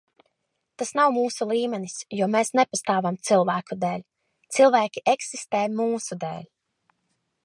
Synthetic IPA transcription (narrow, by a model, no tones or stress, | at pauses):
t̪asnawmuːsulˠiːmɛnisjɔɔmeːsnepast̪aːvamt̪silˠvæːkud̪ɛːlʲ | t̪silˠvæːkʲiʔeksist̪eːmuːsud̪ɛ̰ːlʲ